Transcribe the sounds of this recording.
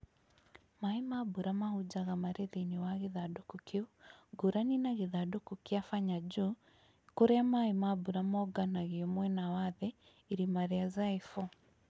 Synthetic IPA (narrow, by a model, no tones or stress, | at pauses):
maimabuɾamahud͡ʒaɣamaɾeðeniwaɣeðadokukeuɡuɾaninaɣeðadokukiafaɲad͡ʒu | koɾɛamaimabuɾamɔɡanaɣeɔmwɛnawaðɛ | iɾimaɾɛazaifɔ